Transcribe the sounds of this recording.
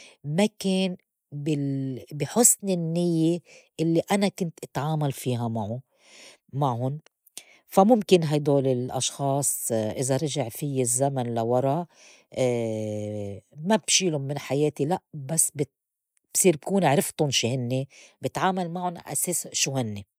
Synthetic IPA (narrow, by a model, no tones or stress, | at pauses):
makeːn | bɪbiħʊsnɪnːɪjːeʔɪlːiʔanakʊnt̪ʔɪt̪ʕaːmalfiːɦamaʕʊ | maʕhʊn | famʊmkɪnɦajd̪oːlɪlʔɑ̰ʃxɑːsˤʔɪzaɾˤɑʒaʕfɪjːɪzːamanlawɑɾˤɑ | ʔː | mabʃiːlʊmɪnħajeːt̪ilaʔbasːbɪ | b̥sˤiːɾb̚kuːnɪʕɾɪft̪ʊnʃiːhɪnːebɪt̪ʕaːmalmaʕʊnʔa̰seːsʃuhɪnːe